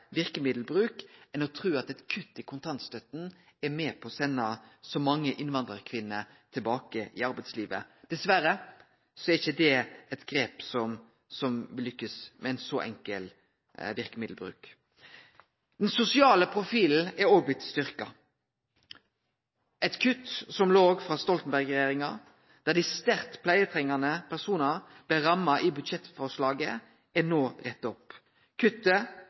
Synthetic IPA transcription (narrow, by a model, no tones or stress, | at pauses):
ʋɪɾkəmɪd̪l̩bɾʉːkɛnɔt̪ʰɾʉːɑt̪ɛt̪kʰʉt̪ːɪkʰʊnt̪ʰɑnt̪st̪œt̪n̩ | ɛɾmɛːpʰɔsɛnːɑsɔmɑŋːəʔɪnʋɑnd̪ɾəɾkʰʋɪnːə | t̪ʰɪlbɑːkəʔɪɑɾbɛɪt̪sliːʋə̰d̪̥ɛsʋæɾə | sɔɛɾɪçəd̪ɛɛt̪ɡɾeːpsɔm | sɔmʋɪlːʏkːəsmɛɛɪnsɔʔɛ̰ŋkəl | ʋɪɾkəmɪd̪l̩bɾʉ̰ːk | d̪̥ɛnsʊsɪɑːləpʰɾʊfiːl̩æɾɔːbɪt̪st̪ʏɾkɑ̰ | ʔɛt̪kʰʉt̪sɔmloːɡfʁɑːst̪ɔlt̪nbæʁɡɾɛjeːɾɪŋɑ | d̪̥æd̪ɪst̪æɾt̪pʰlæɪət̪ʰʁɛŋɑnəpʰæʁsuːnɑb̥lɛɾɑmːɑʔɪbʉd̪ʃɛt̪fɔʁʂlɑːɡə | ænoːʁɛt̪ːɔp | kʰʉt̪ːə